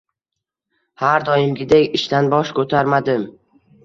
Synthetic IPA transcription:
haɾd̪ɒjɪmɡʲɪd̪ekʲɪʃt̪anbɒʃkʰɵt̪ʰaɾmad̪ɪm

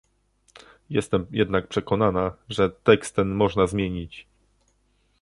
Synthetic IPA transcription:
jɛst̪ɛmjɛd̪nak̚pʂɛkɔnanaʐɛt̪ɛkst̪ɛnmɔʐnazmʲjeɲit͡ɕ

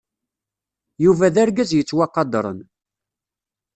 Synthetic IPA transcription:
juvæðaɾɡæzjət͡sːwɑqɑd̪ɾˤə̰n

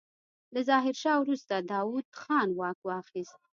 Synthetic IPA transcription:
lazɑɦɪɾʃɑwɾust̪ad̪ɑwud̪̥xɑnwɑkwɑxist̪̚

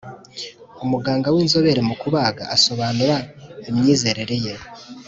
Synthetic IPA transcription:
umuɡaːŋɡawiːnzo̞βe̞ɾemukuβaːɡa̰ːso̞βaːnuɾaimɲiːze̞ɾe̞ɾe̞je

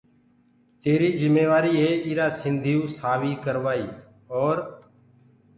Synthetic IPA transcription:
t̪eːɾiːzɪmeːʋaːɾiːɦeːiːɾaːsɪnd̪ʱiːũːsaːʋiːkəɾʋaːiː | oːɾ

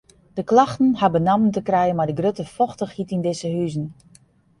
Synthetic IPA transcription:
d̥əklaxtn̩habənaməntəkrɛjənmadəɡrøtəfɔxtəxhitindɪsəɦyzn

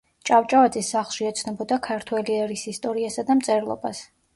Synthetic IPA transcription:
t͡ʃʼavt͡ʃʼavad̪zisːaχlˠʃiɛt̪sʰnɔbɔd̪akʰaɾt̪ʰwɛliɛɾisist̪ʼɔɾiasad̪amt̪sʼɛɾlˠɔ̰ba̰s

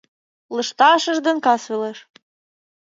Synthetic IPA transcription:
lɤ̆ʃt̪ɑʃɤ̆ʒd̪ɤ̆nkɑsvĕleʃ

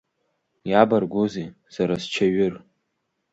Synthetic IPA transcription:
jabarɡʷuze | z̥aɾast͡ʃʰaɥʊr

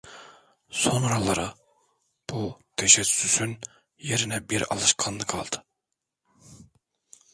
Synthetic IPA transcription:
sonɾɑlˠɑɾɑ | b̥ut̪ʰɛʃɛsysyn | jeɾinɛbiɾɑ̰lˠɯʃkʰɑnlˠɯɡɑlˠd̪̥ɯ

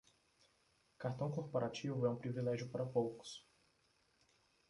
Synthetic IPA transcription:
kaɾt̪ɐ̃w̃koɾpoɾʔat͡ʃivʊɛũpɾivilɛʒjʊpaɾɐpowkʊ̥s

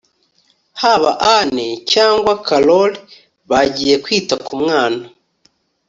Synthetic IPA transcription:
haβa̰ʔanecaːŋɡwakaloli | βaɟiːje̞kwiːtakumŋaːna

